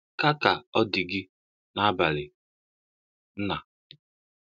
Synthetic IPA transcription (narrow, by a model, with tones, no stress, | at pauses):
ka˦ka˨ɔ˦dɪ˨ɡɪ˦ | na˦ba˨lɪ˨ | n̩˦na˨